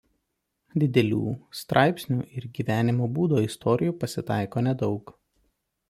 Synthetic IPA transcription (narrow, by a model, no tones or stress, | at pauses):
d̪ʲɪd̪ʲɛlʲṵːst̪ɾʔɑˑɪpʲsʲnʲṵːʔɪɾɡʲiːʋʲæːnʲɪmoːbuːd̪oːɪst̪ʰɔːɾʲɪjuːpɐsʲɪt̪ɑˑɪkoːnʲɛd̪ɒʊk